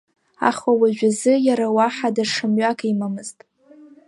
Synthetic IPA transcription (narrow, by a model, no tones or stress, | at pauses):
a̰χwawaʒᶣazɨjaɾawaħadaʂɨmɥakʼaimamɨztʼ